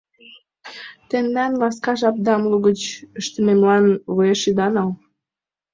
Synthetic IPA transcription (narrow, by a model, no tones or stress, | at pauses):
t̪end̪ænlɑskɑʒɑp̚d̪ɑmluɣət͡ɕəʃt̪ə̆memlɑnβojeʃid̪ɑnɑl